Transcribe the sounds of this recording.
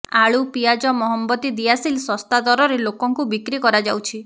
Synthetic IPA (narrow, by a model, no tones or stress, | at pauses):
aɭupijad͡ʒɔmɔɦɔmbɔt̪id̪ijasilsɔst̪ad̪ɔɾɔɾelokɔŋkubikɾikɔɾad͡ʒawt͡ʃʰi